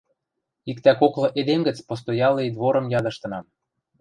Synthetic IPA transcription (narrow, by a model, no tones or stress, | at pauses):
ikt̪ækoklɤ̆ʔed̪emɡə̆t͡spos̬t̪ojɑlɤid̪βoɾɤ̆mjɑd̪ɤ̆ʃt̪ɤ̆nɑm